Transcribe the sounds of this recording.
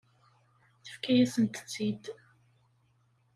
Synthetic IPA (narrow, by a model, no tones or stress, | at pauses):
θə̥fkæjæsənt̪ə̥t͡sːid̪